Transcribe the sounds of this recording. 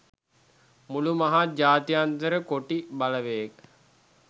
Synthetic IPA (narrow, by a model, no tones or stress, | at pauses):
mulumaɦad͡ʒaːt̪ijant̪əɾəkoʈibaləʋejek̚